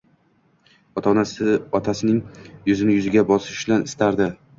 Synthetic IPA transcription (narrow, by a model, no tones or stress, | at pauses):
ɒt̪ʰɒnasɪɒt̪ʰasɪnɪŋjʊzɪnɪjʊzɪɡʲabɒsɪʃblanɪst̪ʰaɾd̪ɪ